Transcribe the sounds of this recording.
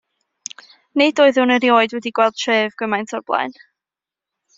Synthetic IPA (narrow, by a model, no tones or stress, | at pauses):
nedoːɨðɨwnəɾjoːɨdwɛdiɡ̥wɛlˠd̚tʰreːvɡ̥əmajntʰɔrblˠa̰ɨn